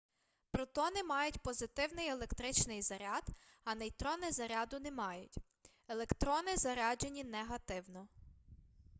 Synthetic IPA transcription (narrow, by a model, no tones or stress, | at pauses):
pɾɔt̪ɔnɪmɑjʊtʲpɔzɪt̪ɪwnɪjelˠekt̪ɾɪt͡ʃnɪjzɐɾʲɑd̪ɐnɛjt̪ɾɔnɛzɐɾʲɑd̪ʊnɛmɑjʊtʲ | elˠekt̪ɾɔnɪzɐɾɑd͡ʒenʲinɛɦɐt̪ɪwnɔ